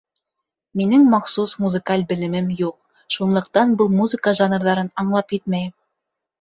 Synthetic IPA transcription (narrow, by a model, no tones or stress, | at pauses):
minɘŋmɑχsusmuzɨ̆kalʲbɘ̆lɘ̆mɘmjuq̚ | ʃunlˠɤ̆q̚t̪ɑnbɤlˠmuzɨkəʒɑnrðɑɾɤnɑɴlˠɑpit̪mæj